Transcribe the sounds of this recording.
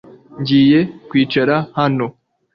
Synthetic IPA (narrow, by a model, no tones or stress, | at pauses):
ɲɟiːje̞kwiːt͡ʃaɾahano̞